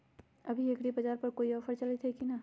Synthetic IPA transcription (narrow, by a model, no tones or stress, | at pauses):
ɐbʱiɐkɽibɐd͡ʒaːɾpɐɾkoːiɔːfəɾt͡ʃɐlet̪ɦekina